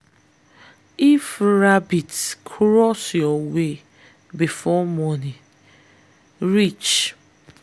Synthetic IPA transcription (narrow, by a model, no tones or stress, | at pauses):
ifɾabitkʰɾɔsjɔwe | bifɔmɔni | ɾit͡ʃ